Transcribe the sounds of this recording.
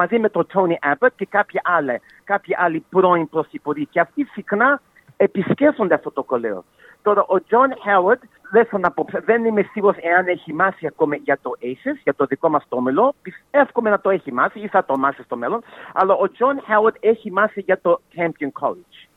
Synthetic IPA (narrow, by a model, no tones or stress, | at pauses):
mɐzimet̪ot̪ʰoniʔabɐt̪̚ce̞kɐpçɐʔɐle | kɐpçiʔɐlipɾo̞inpɾosθipoɾiceɐft̪isixnɐ | episceffo̞nd̪eɐft̪o̞t̪oko̞lḛo̰ | t̪o̞ɾɐʔod͡ʒonhewɐd̪ | lesonɐpopsɐðe̞nimesivose̞ɐneçimɐsiɐko̞miʝɐt̪o̞ʔesesʝɐt̪oðiko̞mɐst̪omelopisefkomenɐt̪o̞eçimɐsiiθɐt̪omɐsist̪o̞melo̞nɐ̰lɐʔod͡ʒonhewɐd̪eçimɐsiʝɐt̪o̞cʰɛmponkʰo̰lid͡ʒ